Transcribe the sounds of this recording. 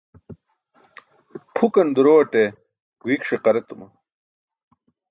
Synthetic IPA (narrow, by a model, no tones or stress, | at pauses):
pʰukɐnd̪uɾoːɐʈe | ɡuiːkʂeqɐɾet̪umɐ